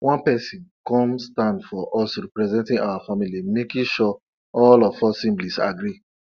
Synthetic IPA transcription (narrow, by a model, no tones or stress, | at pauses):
wʔɔ̃npɛsĩnkɔ̃mstãndfɔʔɔsɹipɹɛzɛ̃ntĩna̰wafamilimekĩʃɔ | ɔlɔfɔsĩmblisa̰ɡɾi